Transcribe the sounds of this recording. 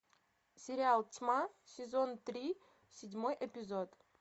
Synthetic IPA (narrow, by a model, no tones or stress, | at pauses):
sʲɪɾʲɪalˠtʲmasʲɪzo̞nt̪ɾʲi | sʲɪdʲmo̞jʔɛpʲɪzot̪